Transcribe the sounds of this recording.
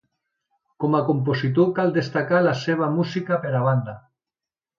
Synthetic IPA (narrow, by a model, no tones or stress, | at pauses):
komakomp̬osit̪̬okald̪est̪akalaseβ̞amusikapeɾaβ̞and̪a